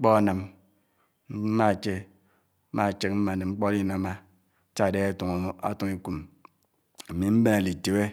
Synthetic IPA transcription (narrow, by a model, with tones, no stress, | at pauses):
ŋ͡m̩˦k͡pɔ˦a˦na˨m̩˦ | ma˦˨t͡ʃe˦ | ma˦˨t͡ʃe˦k̚m̩˦ma˨ne˨ŋ͡m̩˦k͡pɔ˦li˦na˨˦ma˦ | t͡ʃa˦˨de˦a˦tu˨ŋ˦a̰˦tu˨ŋi˦ku˨m˨ | mi˨m̩˦be˦na˨li˨te˨we˦